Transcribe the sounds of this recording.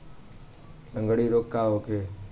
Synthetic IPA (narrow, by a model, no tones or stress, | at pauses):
lə̃ŋɡɽiːɾoːkːaːʋoːkʰeː